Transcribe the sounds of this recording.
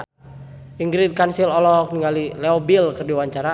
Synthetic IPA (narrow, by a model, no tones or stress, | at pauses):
iŋɡɾid̚kansilɔlɔk̚niŋɡalilɛɔbilkərdiwaɲt͡ʃaɾa